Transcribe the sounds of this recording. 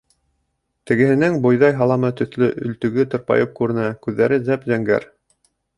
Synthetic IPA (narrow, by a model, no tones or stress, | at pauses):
t̪ɘ̆ɡɘ̆hɘ̆næŋbŏjðɑjɦɑlˠɑmɤt̪ɵ̆θlɵʔɵ̆lt̪ɵ̆ɡɘt̪ŏɾpɑ̰jɤp̚kʉɾɘ̆nækʉðːæɾɘzæpzæŋɡæ̰ɾ